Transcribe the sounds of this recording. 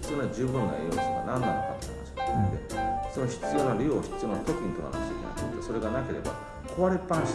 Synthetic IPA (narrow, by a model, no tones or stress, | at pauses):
t͡sɨnod͡ʑɨːbɯ̟̃ŋɡa̰ḭjoːsino̰nãnːanoka̰t̪onaɕiked̪osonoɕi̥t͡sɨjonaɾʲio̞ɕi̥ɨnoat̪o̞kɯ̟ɲ̟it̪oa̰na̰ɕiɲa̰t̪at̪ːeso̞ɾe̞ɡanakʲe̞ɾe̞̰ba̰ | kʰo̞βaɾepːãɰ̃ɕ